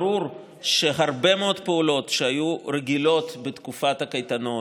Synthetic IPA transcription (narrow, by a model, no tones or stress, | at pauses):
ɾuɾ | ʃeɦaɾbemeo̞d̪peulo̞t̪ʃeajuɾeɡilo̞t̪bet̪kufathakajt̪ano̞